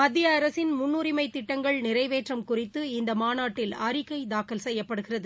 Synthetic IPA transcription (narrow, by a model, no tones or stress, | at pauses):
mɐd̪ːɪjɐːɾɐsɪnmʊnːuːɾɪmɐɪt̪ːɪʈːɐŋɡɐɭnɪɾɐɪʋeːʈrɐmkʊrɪt̪ːɯɪnd̪ɐmaːnaːʈːɪlɐɾɪkɐɪd̪aːkɐlsɛjːɐpːɐɽɯɣɪrɐðɯ